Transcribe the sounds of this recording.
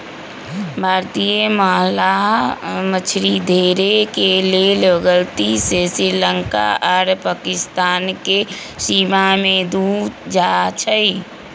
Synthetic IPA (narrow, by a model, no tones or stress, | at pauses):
bʱaːɾt̪ijəməɦlaɦmət͡ʃʰɾid̪ʱeɾekeleləɡəlt̪isesiɾləŋka̰ʔaːɾpaːkɪst̪aːnkesimamed̪ud͡ʒat͡ʃʰə